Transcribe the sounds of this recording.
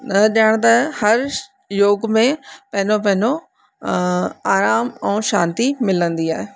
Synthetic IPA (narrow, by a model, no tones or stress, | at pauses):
ɗɐəɽ̃t̪ɐhɐɾ | joːɡmẽpɐɦɪ̃nop̬ɐ̃ɦɪ̃no | aːɾaːmɛ̃ːʃa̰ːnt̪imɪlə̃nd̪iaːɦe